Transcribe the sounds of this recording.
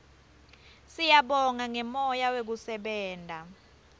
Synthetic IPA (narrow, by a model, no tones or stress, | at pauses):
sijaɓɔŋaŋɛmɔjawek̬usɛɓɛːndʼʱa